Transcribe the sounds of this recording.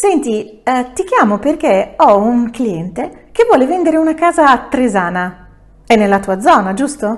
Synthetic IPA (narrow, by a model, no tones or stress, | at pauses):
sɛnt̪i | t̪ik̟jaːmoperk̟eɔuŋkliɛnt̪ekevwɔːlevɛnd̪eɾeunakaːzaːt̪ːɾezaːna | ɛnːelːat̪uːad̪zːɔːnad͡ʒust̪o